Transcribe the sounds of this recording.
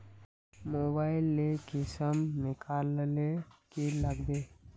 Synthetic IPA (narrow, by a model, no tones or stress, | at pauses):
moːbaːɪlːekɪsəmnɪkʰaːllekeləɡb̪eː